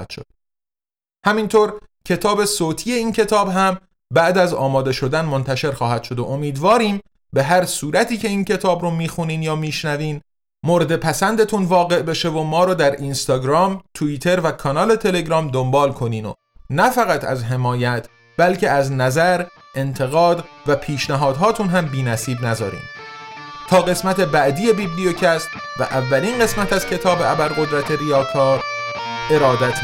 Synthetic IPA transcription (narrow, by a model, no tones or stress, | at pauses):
t̪ʃo̰d̪̥ | hæmint̪ʰoːɾcʰe̞t̪ʰɒːbe̞soːt̪ʰiːe̞iːncʰe̞t̪ʰɒːbɦæm | bæʔd̪æzɒ̰ːmɒːd̪e̞ʃo̞d̪ænmo̞nt̪ʰæʃe̞ɾxɒːhæd̪̥ʃo̞d̪oʔomiːd̪vɒːɾiːm | be̞ɦæɾsuːɾæt̪ʰiːcʰe̞iːncʰe̞t̪ʰɒːbɾɔmiːxuniːnjɒːmiːʃnæviːn | moɾed̪e̞pʰæsænd̪e̞t̪ʰunvɒːɣe̞ʔbe̞ʃe̞vomɒːɾɒːd̪æɾinst̪ɒːɡɾɒːmt̪ʰuiːt̪ʰe̞ɾvækʰɒnɒːle̞t̪ʰe̞le̞ɡɾɒːmd̪ombɒːlkʰo̞niːno̰ | næfæɣæt̪ʰæ̰zɦe̞mɒːjæt̪ʰ | b̥ælcʰeæznæzæɾ | ʔe̞nt̪ʰe̞ɣɒːd̪væpʰiːʃnæɦɒːd̪̥ɦɒːt̪ʰunɦæmbiːnæsiːbnæzɒːɾḭːm | t̪ʰɒːɣe̞smæt̪ʰe̞bæʔd̪ije̞bibliocʰæst̪ | væ̰ʔævːæliːnɢe̞smæt̪ʰæz̥cʰe̞t̪ʰɒːbeæbælɣo̞d̪ɾæt̪ʰe̞ɾijɒːt̪ʰɒːɾ | e̞ɾɒːd̪æt̪ʰ